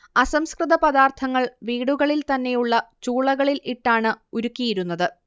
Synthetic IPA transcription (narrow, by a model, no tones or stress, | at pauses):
ɐsɐmskrɨðɐpɐðaːrt̪ʰɐŋːɐɭʋiːɽuɣɐɭilt̪ɐnːe̞juɭːɐt͡ɕuːɭɐɣɐɭilʔiʈːaːɳɨuɾukːijiɾun̪ːɐðɨ